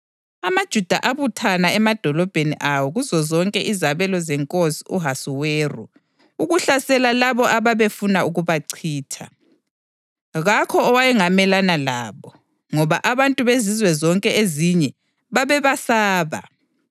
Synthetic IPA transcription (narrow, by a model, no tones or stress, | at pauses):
amad̥ʒ̥ʱud̥ʱaʔaβutʰanaɛmad̥ʱɔlɔb̥ʱenḭʔawɔɣuzɔzɔŋkʼɛʔizaβɛlɔzɛŋkʼosiuɦasiweːrṵ | uɣuɬasɛlalaβɔʔaβaβefunauɣuβaǀʰiːtʰa̰ | ɣakʰɔːwajɛŋamɛlanalaːβɔ | ŋɔβaʔaβantʼuβezizwɛzɔŋkʼɛeziɲɛ | βaβɛβasaːβa̰